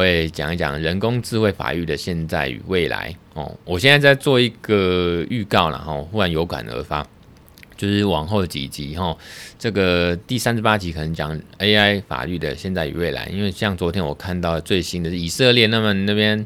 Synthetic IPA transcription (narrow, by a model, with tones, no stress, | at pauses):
we˥˨˩t͡ɕjɑ̰˨˩ŋi˥˩t͡ɕjɑ̰˨˩ŋɻə˧˦nkʊ˥ŋt͡sɹ̩˥˧xwe˥˩ɪfa̰˨˩y˥˩d̪ə˩ɕjɛ˥˧nt͡sa˥˩ɪy̰˨˩we˥˩ɪla̰˧˥˦ɪxɔ̰˨˩wɔ˨˩ɕjɛ˥˧nt͡sa˥˧t͡sa˥˧ɪt͡swɔ˥˧i˧˦ɡə˨˩y˥˧kɑ˥˩ʊla̰˨˩xɔ˥˩xu˥ɻa˧˥njo˧˥ʊka̰˨˩nə̰˧˥fa˦ | t͡ɕjo˥˧ʊʂɻ̩˥˩wɑ˨˩ŋxo˥˩ʊə˩t͡ɕḭ˨˩t͡ɕi˨˦xɔ˥˩ʈ͡ʂɤ˥˩ɡə˩t̪i˥˩sa˥nʂ̩˧˥pa˥t͡ɕi˧˥kʰə˨˩nə˧˦ŋt͡ɕjɑ˨˩ŋe˥ɪa˥ɪfa̰˨˩ly˥˩d̪ə̰˩ɕjɛ˥˧nt͡sa˥˩ɪy̰˨˩we˥˩ɪla̰˧˦ɪʔḭ˥nwe˥˧ɪɕjɑ˥˩ŋt͡swɔ˧˥t̪ʰjɛ˥nwɔ̰˨˩kʰa˥˧nt̪ɑ˥˩ʊə˩t͡swe˥˩ɪɕi˥nd̪ə˨˩˨i˨˩sɤ˥˧ljɛ˥˧na˥˧mə˨nna˥˩pjɛ˥n